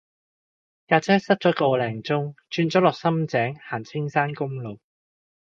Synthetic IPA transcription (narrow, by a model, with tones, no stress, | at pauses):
jaː˨˩t͡sʰɛː˨˥sɐ˥t̚t͡sɔ˨˥ko˨wlɛː˨˩ŋt͡sʊ˥ŋt͡ʃyː˧nt͡sɔː˨˥lɔː˨k̚sɐ˥mt͡sɛː˨˥ŋhaː˨˩nt͡sʰɪ˥ŋsaː˥nkʊ˥ŋlo˨w